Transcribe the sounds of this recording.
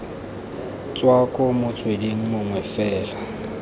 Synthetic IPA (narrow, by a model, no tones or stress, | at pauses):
t͡sʼwakʼɔmʊt͡sʼwediŋ̩mʊŋwɛfɛːla